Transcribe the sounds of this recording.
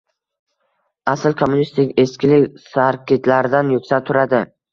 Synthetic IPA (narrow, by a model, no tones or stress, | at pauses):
asɪlkʰomːʊnist̪ɪkʲe̞skʲɪlɪkʲsaɾkʲet̪laɾɪd̪anjʊkʲsat̪ʰʊɾad̪ɪ